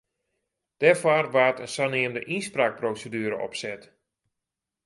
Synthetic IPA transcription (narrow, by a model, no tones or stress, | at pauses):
d̥ɛrfarʋaːtənsanɪəmndəʔinspraːk̚prowsədyəɾə̰ʔɔ̰psɛt